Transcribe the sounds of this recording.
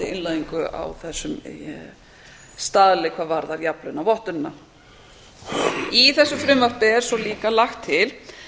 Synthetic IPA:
ɪɪnlaðiŋkʏa̰wθɛsːʏm | st̪aːðlɪkʰvaːðvaɾðaɾjaplʏnːavɔht̪ʏɾɪnːa | iθɛsːʏfɾʏmvar̥pɪɛɾ̥sɔliːkalaxt̪ʰːɪl

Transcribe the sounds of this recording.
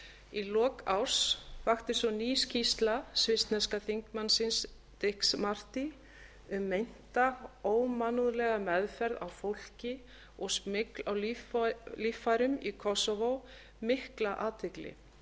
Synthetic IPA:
ilɔːkawɾ̥sfaxt̪ɪsvɔniːscist̪lasvɪst̪nɛskaθiŋkmansɪns | t̪ɪhksmar̥t̪i | ʏmːejn̥t̪aoːwmanuðlɛɣamɛðfɛɾðawfowl̥cɪ | ɔɣsmɪklawlflifajɾʏmikʰɔsɔvow | mɪhklaʔaːt̪ʰɪklɪ̰

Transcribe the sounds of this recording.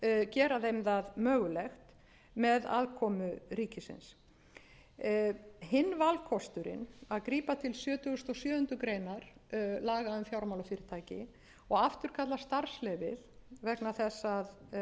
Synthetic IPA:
cɛːɾaðejmðaðmœːɣʏlɛxt̪ | mɛða̰ðkʰɔːmʏɾiːcɪsɪ̰ns | hɪnːvalkʰɔst̪ʏɾɪ̰naðkɾiːpat̪ʰɪlsjœːt̪ʏɣʏst̪ɔsjœːðʏnt̪ʏkɾeːjnaɾ̥laːɣaʏmfjawɾmawlafiːɾɪ̥t̪ʰaːjcɪ̰ | ɔɣaft̪ʏɾ̥kʰat̪last̪aɾ̥slɛːvɪðvɛknaθɛsːað

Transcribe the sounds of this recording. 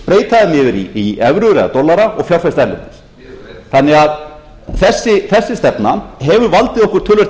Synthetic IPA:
pɾeːjt̪aðɪmɪðɪɾiiɛvɾʏɾɛða̰t̪ɔlːaɾaɔɣfjawɾ̥fɛst̪aɛɾlɪnt̪ɪ̥s | θanːɪɣað | θɛsːɪθɛsːɪst̪ɛpnaɦɛvʏɾvalt̪ɪðɔhkʏ̥ɾ̥t̪ʰʏːlːʏɾ

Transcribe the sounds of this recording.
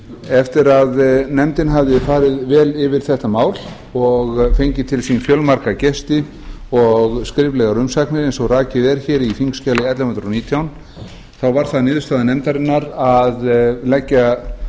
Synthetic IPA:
ɛft̪ɪɾaðnɛmt̪ɪnɦavðɪfaːɾɪðvɛːlɪvɪɾ̥θɛht̪amaːwl | ɔɣfejɲcɪt̪ʰɪlsinfjœlmaɾkacɛst̪ɪ | ɔɣskɾɪplɛɣaɾʏmsaknɪɾɛnsɔwraːcɪðɛɾ̥çɛːɾifiŋkscaːlɪɛt̪lahʏnt̪ɾawniːt̪ʰjawn | θawvaɾ̥θanɪːðʏst̪aːðanɛmt̪aɾɪnːaɾaðlɛcːa

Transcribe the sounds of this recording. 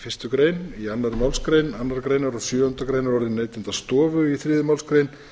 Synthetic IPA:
fɪr̥st̪ʏkɾeːjnianːaɾmawlskɾejnanːaɾkɾeːjnaɾɔsjʏːʏnt̪akɾejnaɾɔɾðɪnejt̪ɪnt̪ast̪ɔːvʏiθɾɪːðʏmawlskɾejn

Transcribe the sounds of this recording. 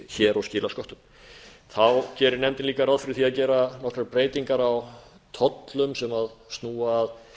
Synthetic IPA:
çɛːɾascɪːlaskɔht̪ʏm | θawcɛːɾɪɾnɛmt̪ɪnliːkaɾaðfɪɾɪθiaðcɛːɾanɔkɾaɾpɾeːjt̪iŋkaɾaw | t̪ʰɔt̪lʏmsɛmaðst̪nuːaːð

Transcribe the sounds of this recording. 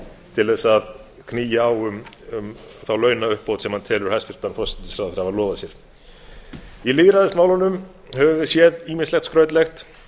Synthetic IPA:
t̪ʰɪlvɛsað | kʰniːjaːwʏm | ʏm | θawlœːɥnaʏhpːowt̪sɛmhant̪ʰɛːlʏɾ̥hajscʏɾ̥t̪anθɔsɪ̥nɪ̥saθɛɾ̥havalɔːvasjɛɾ̥ | iliɣɾaðɪsmaːwlanʏm | hœvʏvɪsjɛðiːmɪnslɛxt̪skɾœːɥt̪lɛxt̪

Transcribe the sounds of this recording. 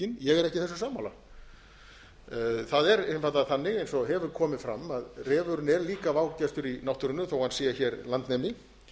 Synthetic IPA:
ɪnjɛɣɛɾɛhcɪθɛsːasaːmawla̰ | θaðɛɾɛmfajt̪aθanːɪɣejnsɔɦɛvʏɾkʰɔːmɪðfɾa̰maðrɛːvʏɾʏnɛɾliːkavaːwcast̪ʏɾinawht̪ʏɾʏnːʏθowhanːsɛːjɪçɛɾlant̪nɛmɪ

